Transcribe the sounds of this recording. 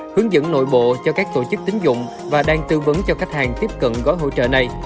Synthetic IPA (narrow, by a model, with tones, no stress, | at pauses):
hɨ˨˦əŋzə̰˧˥nno̰˧˨jɓo̰˧˨t͡ɕɔ˧kaː˦˥k̚t̪o˧˩t͡ɕɨ˦˥k̚t̪ï˨˦ŋ̟zʊ̰˧˨ŋ͡m | vaː˨˩ɗaː˧ŋt̪ɨ˧və˨˦nt͡ɕɔ˧ka˦˥k̟̚haː˨˩ŋt̪i˦˥əp̚kə̰˧˨nɣɔ˨˦jɦo̰˧˥t͡ɕə̰ː˧˨na˨˩j